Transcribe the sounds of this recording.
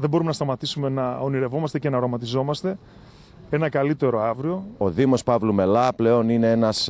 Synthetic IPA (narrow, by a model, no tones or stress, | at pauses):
ðe̞bo̞ɾumenɐst̪ɐmɐt̪isume̞nɐoniɾe̞vo̞mɐst̪e̞ce̞nɐɾomɐt̪izo̞mɐst̪e̞ | e̞nɐkɐlit̪e̞ɾo̞ɐvɾio̞oðimo̞spɐvlume̞lɐple̞o̞nine̞enɐs